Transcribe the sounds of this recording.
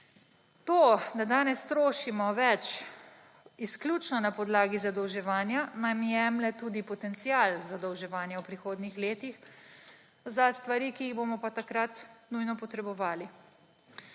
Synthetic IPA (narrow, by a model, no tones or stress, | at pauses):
t̪od̪ad̪aːnɛst̪ɾoːʃimɔʋɛt͡ʃ | isklʲuːt͡ʃnɔnapɔd̪laːɡizad̪ɔwʒɛʋaːnjanamjɛmlɛt̪uːd̪ipɔt̪ɛnt̪sialzad̪ɔwʒɛʋaːnjɛwpɾixoːd̪nixleːt̪ix | zast̪ʋaɾikiːɣbomɔpat̪akɾat̪nujnɔpɔt̪ɾɛbɔʋaːli